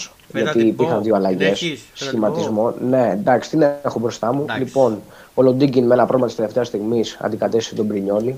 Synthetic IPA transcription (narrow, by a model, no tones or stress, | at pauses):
s | ʝɐt̪iːpiɾxɐnðioɐlɐʝe̞ssçimɐt̪izmo̞ne̞nd̪ɐksi̥t̪inexobɾo̞st̪ɐmulipo̞n | olo̞nd̪iɟinmenɐpɾoɣmɐt̪ist̪ele̞ft̪e̞ɐst̪iɣmisɐ̰nd̪ikɐt̪e̞si̥set̪o̞bɾiɲo̞li